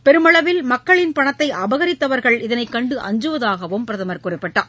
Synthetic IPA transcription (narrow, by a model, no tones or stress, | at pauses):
pɛɾɯmɐɭɐʋɪlmɐkːɐɭɪnpɐɳɐt̪ːɐɪʔɐbɐɣɐɾɪt̪ːɐʋɐɾɣɐɭɪðɐnɐɪkːɐɳɖɯʔɐ̰ɲd͡ʒɯʋɐðaːɣɐʋɯmpɪɾɐðɐmɐɾkʊrɪpːɐʈːaː